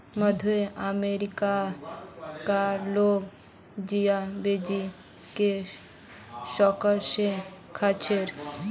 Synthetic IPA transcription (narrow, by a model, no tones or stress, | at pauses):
mad̪ʱoeʔameɾika | kaɾloɡ | d͡ʑiabed͡ʑi | ke | ʃɔkaʃekʰat͡ɕʰeɾ